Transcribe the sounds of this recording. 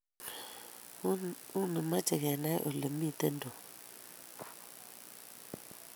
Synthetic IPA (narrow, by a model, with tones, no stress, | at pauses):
u˦nə˨ma˦t͡ʃə˨ɡɛ˨na˦j̰ʔo˨lə˨mi˦tə˦ndo˨